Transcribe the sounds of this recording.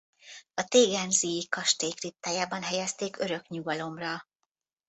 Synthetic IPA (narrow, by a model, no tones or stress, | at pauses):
ɒt̪eːɡɛnzijikɒʃt̪eːkrit̪ːaːjaːbɒnɦɛjɛst̪eːkøɾø̞kɲuɡɒlo̞mrɒ